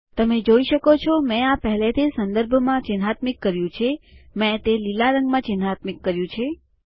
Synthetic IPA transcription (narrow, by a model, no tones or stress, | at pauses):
t̪əmed͡ʒoiʃəkot͡ʃʰɔmɛ̃apəɦlet̪ʰesənd̪əɾbʱmãt͡ʃɪnɦat̪mikːəɾjũt͡ʃʰemɛ̃t̪elilaɾəŋɡmãt͡ʃɪnɦat̪mikːəɾjũt͡ʃʰe